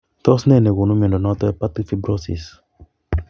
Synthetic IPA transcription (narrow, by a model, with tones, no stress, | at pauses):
t̪ɔ˦snɛ˦˨ne˨ɣo˨nũ˦mi˨ɔ̃˨ndɔ˨nɔ˦t̪ɔ˦ɛ˦pa˦t̪i˦fi˦bɾɔ˦sḭ˨s